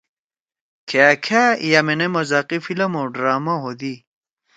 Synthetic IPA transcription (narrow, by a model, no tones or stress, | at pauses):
kʰekʰajamenemɐzaqifilɐmoɖɾaːmɐɦod̪i